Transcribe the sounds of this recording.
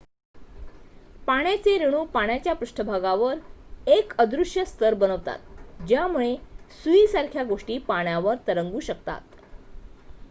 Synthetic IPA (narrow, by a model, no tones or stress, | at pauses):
paɽ̃jat͡seɾiɽ̃uːpaɽ̃jat͡ɕjapɾuʂʈʰəbʱaɡaʋəɾekəd̪ɾuʂjəst̪əɾbənəʋt̪a̰t̪̚d͡ʑjamuɭesuiːsaɾkʰjaɡoʂʈiːpaɳ̃jaʋəɾt̪əɾəŋɡuːɕəkt̪a̰t̪̚